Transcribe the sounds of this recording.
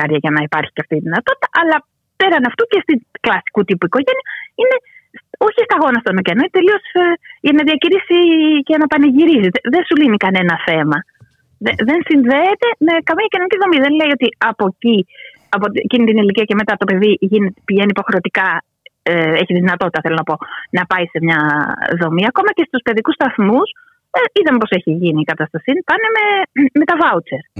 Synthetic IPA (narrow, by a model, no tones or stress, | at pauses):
ɐɾʝɐʝɐnɐipɐɾçi̥ceɐft̪it̪iðinɐt̪o̞t̪i̥t̪ɐʔɐlɐ | pe̞ɾɐnɐft̪ucest̪iklɐsi̥kut̪ipuiko̞ʝeniɐine̞so̞çist̪ɐɣo̞nɐst̪onocenoit̪e̞lio̞sʝɐnɐðiɐciɾisicenɐpɐneʝiɾisiðeðe̞nsulinikɐne̞nɐθe̞mɐ | ðeðe̞nsinðe̞ːt̪e̞mekɐmiɐcinoniciðo̞miðenle̞io̞t̪iɐpo̞ci | ɐpot̪ecinit̪iniliciɐce̞me̞t̪ɐt̪o̞pe̞ðiʝinet̪piʝenipo̞xɾe̞ot̪ikɐ | eeçit̪iðinɐt̪o̞t̪it̪ɐθelo̞nɐpo̞nɐpɐise̞mɲɐðo̞miɐko̞mɐce̞st̪uspe̞ðikust̪ɐθmus | iðɐmepo̞se̞çiʝiniːkɐt̪ɐst̪ɐsinpɐne̞me̞me̞t̪ɐvɐut͡se̞ɾ